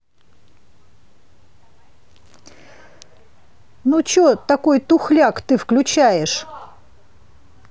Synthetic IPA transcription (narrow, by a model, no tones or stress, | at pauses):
nut͡ɕot̪ɐko̞jt̪ʊxlʲakt̪ɨfklʲʊt͡ɕæjɪʂ